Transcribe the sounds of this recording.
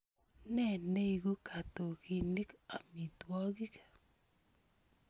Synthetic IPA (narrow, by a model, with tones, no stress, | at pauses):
nɛ˦˨ne˦i˨ɡo˦kʰa˨to˨ki˨ni˦ka˨mi˨twɔ˦ɡɪ˦kḁ˨